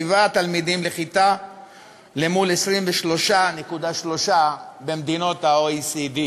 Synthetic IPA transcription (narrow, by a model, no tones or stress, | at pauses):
ivat̪almid̪imle̞χit̪a | le̞mulesʁimveʃlo̞ʃanekud̪aʃlo̞ʃabe̞md̪ino̞t̪haoisid̪i